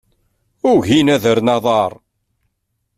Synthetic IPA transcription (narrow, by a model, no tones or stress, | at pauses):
ʊɾʝinæðəɾnɑðˤɑɾˤ